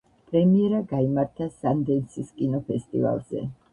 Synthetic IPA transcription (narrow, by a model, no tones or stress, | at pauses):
pʼɾɛmiɛɾaɡaimaɾt̪ʰasand̪ɛnsʰiskʼinɔpʰɛst̪ʼḭva̰lˠz̥ɛ̰